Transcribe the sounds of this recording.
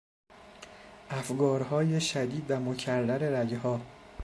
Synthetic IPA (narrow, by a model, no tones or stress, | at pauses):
ʔæfɡɒːɾɦɒːjeʃæd̪iːd̪væmocʰærːæɾe̞ɾæɡeɦɒː